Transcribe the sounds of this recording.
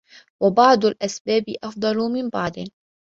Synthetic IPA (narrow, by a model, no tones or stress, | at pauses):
wabɑʕd̪ˤʊlʔasbaːbɪʔɑfd̪ˤɑlʊmɪmbɑʕd̪ˤɨ